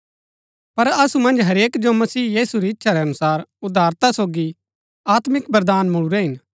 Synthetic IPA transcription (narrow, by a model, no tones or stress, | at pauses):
pɐɾɐsumɐ̃nd͡ʒɦɐɾeːkd͡ʒomɐsiːjiːsuɾiɪtːʃʰaɾɛɐnʊsaːɾʊd̪ʱaːɾt̪asoːɡi | aːt̪mɪkbɐɾd̪aːnmʊɭuɾɛɦɪn